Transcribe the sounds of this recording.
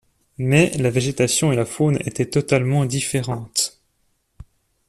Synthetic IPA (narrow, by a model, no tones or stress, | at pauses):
mɛlaveʒet̪asjɔ̃elafonḛt̪ɛt̪ɔt̪almɑ̃d̪ifeʁɑ̃t̪